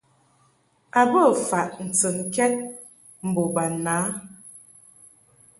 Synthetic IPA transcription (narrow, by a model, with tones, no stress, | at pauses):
a˨bə˦˨fa˨ʔn̩˨t͡sə˨ŋ˨kɛ˦t̚ | m̩˨bo˨ba˨naː˨˦